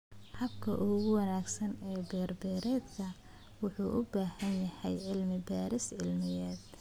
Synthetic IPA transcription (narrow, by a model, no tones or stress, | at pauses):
hɐbkʰɐ̰ʔʊɣʊwɑnaːɡsɐnɛːbɛːrbɛːɾɛːd̪kʰɐ | wʊħuːʔʊbaːhɐnjɐhɛjʕɪlmɪbaːɾɪsʕɪlmɪjɛːd̪